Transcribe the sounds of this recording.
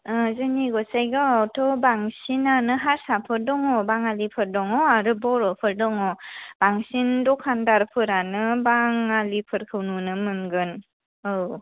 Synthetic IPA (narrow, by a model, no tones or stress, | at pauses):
ɯzɯniɡɔsajɡawtʰɔbaŋsinanɯɦaɾsapʰɯɾdɔŋɔbaŋalipʰɯɾdɔŋɔaɾɯbɔɾɔpʰɯɾdɔŋɔb̥aŋsindɔkʰandaɾpʰɯɾanɯbaŋalipʰɯɾkʰɯwnunɯmɯnɡɯn | ɯw